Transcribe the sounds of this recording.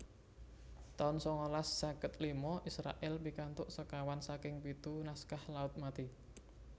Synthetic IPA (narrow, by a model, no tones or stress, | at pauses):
t̪aʊnsɔŋolasːakət̪limɔʔisɾa̰ʔɛlpikant̪ʊʔsəkawansakɪŋpit̪unaskahlaʊt̪̚mat̪i